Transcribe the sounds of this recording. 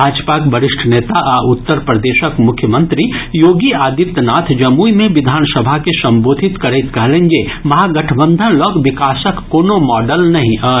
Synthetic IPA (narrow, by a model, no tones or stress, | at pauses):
bʱaːd͡ʒpaːkbɐɾɪʃʈʰəneːt̪aʔaʊt̪ːəɾpɾɐd̪eːʃəkmʊkʰjəmə̃nt̪ɾijoːɡiaːd̪it̪naːt̪ʰd͡ʒɐmuimẽʋɪd̪ʱaːnsɐbʱakesɐ̃mboːd̪ʱɪt̪kɐɾeːt̪kɐɦlẽːŋɡe | mɐɦaɡɐʈʰəbə̃nd̪ʱənlɔːkʋɪkaːsəkːoːnomɔːɖəlnɐɦĩʔaː